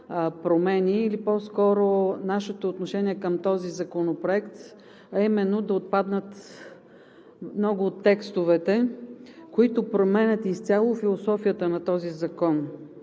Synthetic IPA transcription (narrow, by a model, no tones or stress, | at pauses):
pɾomɛniːlipɔskɔɾonaʃɛt̪oːt̪noʃɛniɛkəmt̪ɔzizɐkonopɾoɛkt̪ | ɐimɛnːod̪ɐot̪̚pad̪nət̪ | mnɔɡʊːt̪ːɛkst̪ovɛt̪ɛ | koit̪ʊpɾomɛnʲət̪ist̪sʲalˠofilˠosɔfijət̪ənɐt̪ɔzizɐkɔn